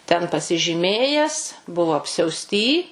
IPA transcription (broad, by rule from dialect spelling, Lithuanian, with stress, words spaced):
tʲɛn pɐsʲɪʒʲiːˈmʲeːjæːs ˈbʊʋoː ɐpʲsʲɛʊsʲˈtʲiː